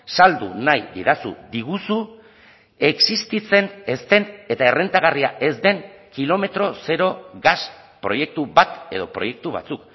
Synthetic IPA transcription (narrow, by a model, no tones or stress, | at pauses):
sald̪ṵnajd̪iɾasṵd̪iɣ̞usu | e̞ksist̪it͡se̞ne̞st̪e̞ne̞t̪ae̞re̞nt̪aɣariaʔe̞zd̪e̞ŋkilo̞me̞t̪ɾo̞se̞ɾo̞ɣas | pɾo̞je̞k̚t̪uβat̪e̞ð̞o̞pɾo̞̰je̞k̚t̪uβ̞a̰t͡suk